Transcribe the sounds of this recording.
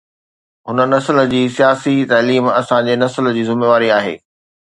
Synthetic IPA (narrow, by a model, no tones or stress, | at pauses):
ɦʊnə̆nɐsələd͡ʑiːsijaːsit̪ɐːliːmɐsãd͡ʑeːnɐsələ̆d͡ʑiːzɪmeːʋaːɾiaːɦḛː